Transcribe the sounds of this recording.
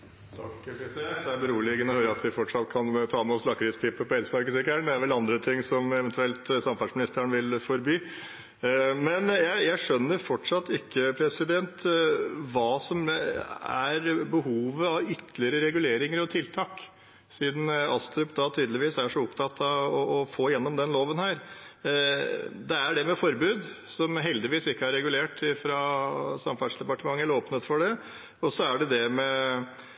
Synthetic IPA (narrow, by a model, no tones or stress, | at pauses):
t̪ʰɑkpʰɾɛsɪd̪ɛnt̪d̪ɛæɾbəɾuːɭɪɡənɔhøːɾəɑt̪ʋɪfɔʈʂɑt̪ːkʰɑnt̪ʰɑːmɛɔslɑkɾɪspʰɪpːəpɔɛlsmɑɾkəsɪkæɳd̪ɛæɾʋɛlɑnd̪ɾət̪ʰɪŋːsɔmɛʋɛnt̪ʉɛlt̪sɑmfɑsmɪnɪst̪əəɳʋɪlfɔɾbyː | mɛnjæɪjæɪʂœnːəɾfɔʈʂɑt̪ːɪkʰːəpʰɾɛsɪd̪ɛnt̪ | ʋɑːsɔm | æ̰ɾbəhuːʋəɑʋʏt̪ːəlɪəɾəɾɛɡʉleːɾɪŋəɾɔt̪ʰɪlt̪ʰɑːk | siːd̪n̩ɑst̪ɾʉpd̪ɑt̪ʰyːd̪lɪʋiːsæʂɔʊpt̪ʰɑt̪ʰɑɔɔfoːjɛnːɔmd̪ɛnloːʋənhæːɾ | d̪ɛæɖɛmɛfɔɾbʉːd̪sɔmɦɛld̪ɪʋiːsɪkːəɑɾːɛɡʉleːʈɪfɾɑsɑmfɑsd̪ɛpɑʈəmɑŋːəloːpnət̪fɔɖɛ | ɔsɔæɖɛd̪ɛmɛ